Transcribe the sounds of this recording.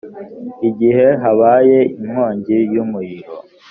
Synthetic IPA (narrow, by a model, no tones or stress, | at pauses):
iɟihe̞ɦaβaːjeʔimoːɲɟijumujiɾo